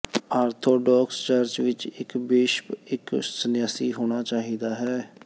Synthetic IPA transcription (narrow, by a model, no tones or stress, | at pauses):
aːɾt̪ʰoːɖɔːkst͡ʃaɾt͡ʃʋɪt͡ʃɪkbeːʃɪksənjaːsiːɦoːɽ̃aːt͡ʃaːɦiːd̪aːɦɛː